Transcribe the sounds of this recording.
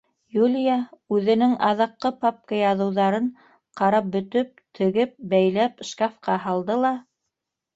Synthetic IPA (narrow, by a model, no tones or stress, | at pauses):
julʲjaʉðɘ̆nɘŋʔɑðɑqːɤpɑp̚kɑjɑðɤ̆wðɑɾɤɴ | qɑɾɑp̚bɵ̆t̪ɵp̚t̪ʰɘ̆ɡɘp̚bæjlæpʃkɑfqɑɦɑlˠd̪ɤlˠɑ